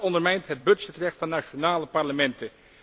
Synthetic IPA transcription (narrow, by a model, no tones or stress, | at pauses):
ɔndəɹmɛjntɦəd̚bɵtsɪtrɛχtfɑnːaʃonaːləpɑɹləmɛntə